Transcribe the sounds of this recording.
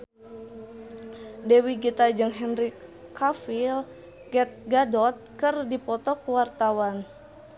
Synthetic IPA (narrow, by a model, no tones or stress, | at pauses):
dɛwiɡit̪ad͡ʒɨŋɦɛnɾikafil | ɡɛt̪̚ɡadɔt̪̚kɨrdipɔt̪ɔkuwart̪awan